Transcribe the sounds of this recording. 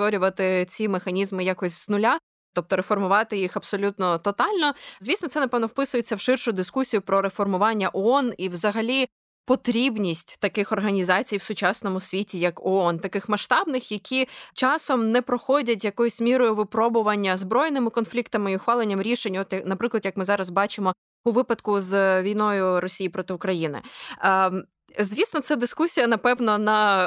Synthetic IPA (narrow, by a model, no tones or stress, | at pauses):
t̪ʋɔɾʲʊʋɐt̪ɪt͡sʲimexɐnʲizmɪjakɔsʲz̥nʊlʲa | t̪ɔp̚t̪ɔɾefɔrmʊʋɑt̪ɪjixɐb̥sɔlʲut̪nɔt̪ɔt̪ɑlʲnɔzʲʋʲisnɔt̪sɛnɐpɛʋnɔwpɪsʊjet͡sʲːɐwʃɪrʃʊd̪ɪskusʲijʊpɾɔɾefɔrmʊʋɑnʲːɐʔɔɔniwzɐɦɐlʲi | pɔt̪ɾʲibnʲisʲtʲt̪ɐkɪxɔrɦɐnʲizɑt͡sʲijwsʊt͡ʃɑsnɔmʊsʲʋʲitʲijɐkɔɔnt̪ɐkɪxmɐʃt̪ɑbnɪxjɐkʲʰit͡ʃɑsɔmnɛpɾɔxɔdʲɐt̬ʲjɐkɔjʊsʲmʲiɾʊjʊʋɪpɾɔbʊʋɐnʲːɐzbɾɔjnɪmɪkɔnflʲikt̪ɐmɪiʊxʋɑlˠenʲːɐmɾʲiʃenʲɔt̪jɐnɐpɾɪklˠɐd̪jɐkmɪzɑɾɐzbɑt͡ʃɪmɔ | ʊʋɪpɐd̪kʊzʋʲijnɔjʊɾɔsʲijipɾɔt̪ɪʊkɾɐjinɪ̰ | zʲʋʲisnɔt̪sɛd̪ɪskusʲijɐnɐpɛʋnɔnɐ